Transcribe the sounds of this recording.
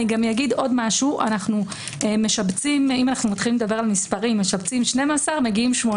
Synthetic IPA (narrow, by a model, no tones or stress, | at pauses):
iɡamjaɡido̞dmaʃuʔa̰naχnu | eme̞ʃabt͡simimanaχnumat̪χilimledabe̞ʁalmispaʁimːe̞ʃabt͡simʃne̞masaʁme̞ɡiimʃmo